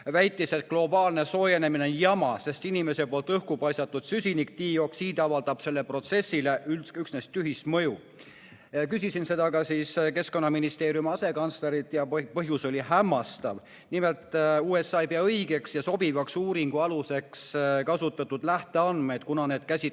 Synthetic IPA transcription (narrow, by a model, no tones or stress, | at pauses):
væjt̪ːˑise̞t̪̚klo̞bɑːlne̞so̞ːjene̞mineonjɑmɑse̞st̪inime̞se̞po̞ːlt̪ɤhkupɑjsɑt̪ːˑud̪̥sysʲinik̚t̪iːo̞ksiːd̪̥ɑvɑld̪̥ɑb̥se̞lːe̞pro̞t̪se̞sʲːile̞ʔyyksnest̪ːyɦist̪mɤju | kysisinse̞d̪̥ɑkɑsiːske̞sko̞nːɑminist̪e̞ːɾijumɑse̞kɑnsleɾit̪ːˑjɑpɤɦjuso̞lʲihæmːɑst̪ɑ̰v | nime̞lt̪ˑuːe̞sːɑepeɑɤjɡ̥e̞ksjɑso̞bivɑksuːɾiŋɡ̥uɑluse̞kskɑsut̪ːˑɑt̪ːˑud̪̥læht̪e̞ɑnd̪me̞jd̪̥kunɑne̞ːd̪kæsʲi